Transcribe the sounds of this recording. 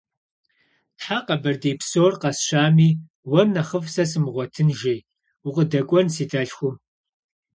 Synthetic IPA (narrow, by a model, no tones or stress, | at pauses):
tħaqɐbɐrdeːpsoːrqɐsʃaːmiː | wɐrnɐχəfsɐsɨmʁʷɔtʰɨnʒej | uqʼədɐkʷʼɔnsiːtʰʼɐɬxʷʊ